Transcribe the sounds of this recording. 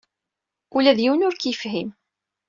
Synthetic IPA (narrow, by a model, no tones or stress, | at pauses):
ulæðjiwnʊɾkjəfɦim